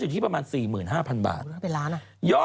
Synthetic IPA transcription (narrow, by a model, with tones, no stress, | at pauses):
t͡ɕu˨˩t̪ʰiː˥˩pɾa˧maː˧nsiː˨˩mɯː˨˩nɦaː˥˩pʰa˧nba̰ː˨˩t̪ːpe˧nɾaː˦˥nʔa˩ | jɔː˥˩